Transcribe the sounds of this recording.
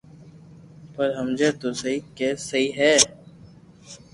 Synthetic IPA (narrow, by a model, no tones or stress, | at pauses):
pəɾɦəmd͡ʒeːt̪osəɦikesɐiɦɛː